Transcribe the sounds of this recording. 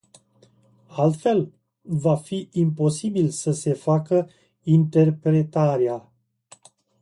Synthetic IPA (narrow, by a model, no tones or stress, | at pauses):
alt̪fe̞l | vafiimpo̞sibilsəse̞fakə | int̪e̞rpɾe̞t̪aɾea